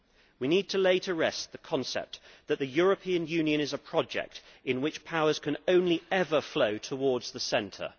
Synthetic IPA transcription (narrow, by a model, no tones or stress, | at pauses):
winiːd̚tʰəleɪɾʰəɹɛst̪̚ðəkʰɒ̃nsɛ̰p̚ðəʔ̪̚ðɨjɔɹəpʰĩə̃njʉ̃njɨ̃ñɪzəpʰɹ̥ɒd͡ʒɛ̰k̚tɪ̃nwɪt͡ʃpʰaʊəz̥kʰə̃nə̃ʊ̃nliɛvəfləʊtʰəwɔːdz̥ðəsɛ̃ntʰə̰